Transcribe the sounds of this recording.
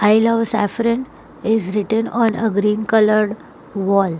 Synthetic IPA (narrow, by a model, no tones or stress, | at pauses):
ajlɔʋsæ̰fɾən | ɪzɾɪʈə̃nɔ̃nəɡɾĩːnkələɾɖ | ʋɔːl